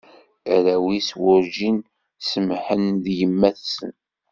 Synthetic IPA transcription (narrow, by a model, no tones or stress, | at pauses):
ɾæwiswʊɾʒin | səmħənðjəmːæθsə̰n